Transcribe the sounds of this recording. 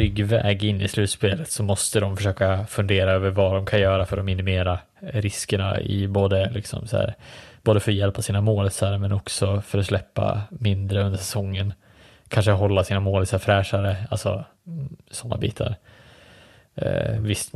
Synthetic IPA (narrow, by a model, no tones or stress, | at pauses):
ʏɡvɛ̰ːɡɪnːɪslʉ̟ːt̪speːlət̪sɔmɔst̪əd̪ɔmfœ̥ʂøːkafɵnd̪eːɾaøːvəɾvad̪ɔmkʰanjœːɾafœɾɔmɪnɪmeːɾa | ɾɪskəɳa̰ɪ̰boːd̪əlɪksɔ̰msæ̰ːɾb̥oːd̪əfœɾjɛlpʰːasiːnamoːlsaɾmɛnɔksɔfœɾɔslɛpːa̰mɪnd̪ɾəɵnd̪əʂɛsɔŋːən | kʰanʂəɦɔlːasiːnamoːlsafɾɛːʂaɾəalsɔ̰ | sɔnːa̰bḭːt̪ʰa̰ɾ | vɪst̪